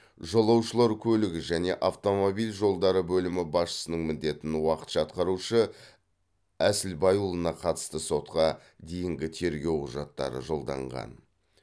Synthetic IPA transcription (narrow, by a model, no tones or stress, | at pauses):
ʒolˠɑwʃəlˠɑɾkʲʰɵlɪɡʲɪʒæne̞ʔɑft̪o̞mo̞bijlʒo̞lˠd̪ɑɾəbɵlɪmɪbɑsʃə̥sənəɴmɪnd̪e̞t̪ɪnwɑqə̥t̪ʒ̥ɑt̪qɑɾuʃə | æsɪlbɑjulˠənɑqʰɑt̪ə̥st̪əso̞t̪qɑ | d̪e̞jɪŋɡʲɪt̪ʰe̞ɾɡʲe̞wqʰʊʒɑt̪ːɑ̰ɾə̰ʒo̞lˠd̪ɑ̰ɴʁɑ̰n